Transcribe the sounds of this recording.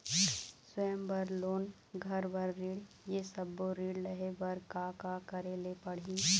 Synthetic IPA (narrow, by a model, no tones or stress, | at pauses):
səmbəɾloːn | ɡʱɐɾbəɾːiːɽ | jesɐbːoɾiːɽləɦebəɾkakakɐɾelepɐɽ̤ĩ